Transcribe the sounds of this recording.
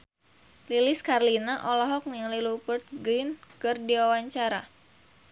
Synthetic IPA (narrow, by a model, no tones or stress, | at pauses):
lilɪskarlinaʔɔlɔɦɔk̚niŋlilupərt̪̚ɡɾinkɨrdiwawaɲt͡ʃaɾa̰